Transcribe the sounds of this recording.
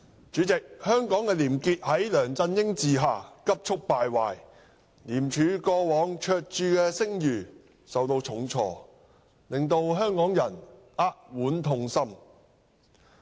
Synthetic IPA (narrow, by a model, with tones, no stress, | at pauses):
t͡ʃyː˨˥t͡sɪ˨k̚hœː˥ŋkɔː˨˥ŋkɛː˧liː˨˩mkiː˧t̚hɐ˨˥jlœː˨˩ŋt͡sɐ˧njɪ˥ŋt͡siː˨ɦaː˨kɐ˥p̚t͡ʃʰʊ˥k̚paː˨˧jwaː˨j | liː˨˩mt͡ʃʰyː˨˧˥kɔː˧wɔː˨˥ŋt͡ʃʰœː˨˧k̚t͡ʃyː˧kɛː˧sɪ˥ŋjyː˨˩ | sɐ˨wt̪o˧wt͡ʃʰʊ˨˥ŋt͡sʰɔː˧ | lɪ˨ŋt̪o˧wɦœː˥ŋkɔː˨˥ŋjɐ˨˩n | aː˥t̚wuː˨˥nt̪ʰʊ˧ŋsɐ˥m